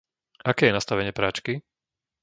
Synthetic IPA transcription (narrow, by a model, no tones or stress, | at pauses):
akɛːjɛnast̪aʋɛɲɪɛpɾat͡ʃki